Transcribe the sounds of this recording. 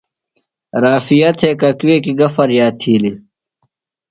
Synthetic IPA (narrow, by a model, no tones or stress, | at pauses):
ɾaːfijɐt̪ʰeːkɐkweːkiɡɐfɐɾjaːt̪ʰːiːli